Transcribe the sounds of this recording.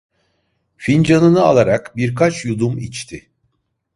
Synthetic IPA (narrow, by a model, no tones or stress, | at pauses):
find͡ʒanɯnɯa̰lˠaɾakbiɾkʰat͡ʃjud̪umḭt͡ʃt̪ʰɪ